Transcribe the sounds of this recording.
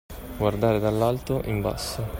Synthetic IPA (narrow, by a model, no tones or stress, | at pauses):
ɡward̪aːɾed̪alːalt̪oʔimba̰sːo